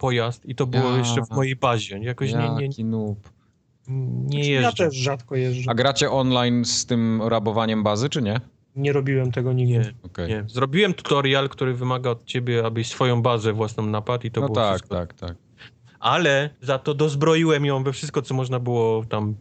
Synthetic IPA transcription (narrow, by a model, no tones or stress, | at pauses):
pɔjast̪it̪ɔbɨwɔjɛʃɛvmɔjejbaʑɛjakɔɕɲɛɲɛinup | ɲɛjɛʐat̪ɛʂːat̪kɔjɛʐaɡɾat͡ɕɛʔɔnlajnst̪ɘmɾabɔvaɲɛmbazɘt͡ʂɘɲɛ | ɲɛɾɔbʲiwɛmt̪ɛɡɔɲiɛɔkɛjɲɛzɾɔbʲiwɛmt̪u̥t̪ɔɾjalkt̪uɾɘvɘmaɡaɔt̪̚t͡ɕebʲjɛabɘsfɔjɔ̃w̃bazɛvwasnɔ̃w̃napat̪it̪ɔbwɔafsktɔakt̪a̰k̚ | ʔalɛzat̪ɔd̪ɔzbɾɔjiwɛmjɔ̃w̃vɛfʂɘst̪̚kɔt̪sɔmɔʐnabɘwɔt̪am